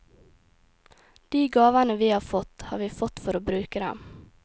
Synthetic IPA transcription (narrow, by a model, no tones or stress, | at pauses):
d̪̥iːɡɑːʋanəʋiːhɑːfɔt̪hɑːʋiːfɔt̪fɔɾoːbɾʉːkəd̪ɛ̰m